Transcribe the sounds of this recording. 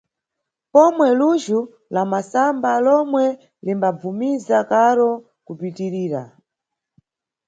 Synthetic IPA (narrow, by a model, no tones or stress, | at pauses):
pɔmwɛluʒu | lamasambalɔmwɛ | limbab͡vumizakaɾɔ | kupitiɾiːɾa̰